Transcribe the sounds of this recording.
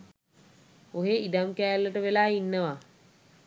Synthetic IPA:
oɦeid̪amkæːlːəʈəʋelaːinːəʋa

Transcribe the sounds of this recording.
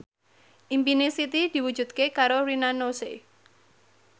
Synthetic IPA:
ʔimpinesit̪id̪̥i̤wu̥d͡ʒ̥ṳd̪̚kekaɾoɾinanose

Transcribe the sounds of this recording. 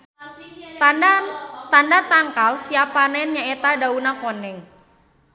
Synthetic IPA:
t̪andat̪aŋkalsiapanɛnɲaet̪adaunakonɛŋ

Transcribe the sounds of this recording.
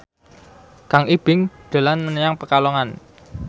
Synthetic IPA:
kaŋib̥ɪŋd̪̥a̤lanmənəjaŋpəkalɔŋan

